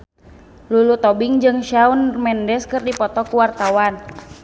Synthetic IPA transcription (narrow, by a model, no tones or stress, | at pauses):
lulut̪ɔbɪŋd͡ʒɨŋʃaunmɛndɛskɨrdipɔt̪ɔkuwart̪awan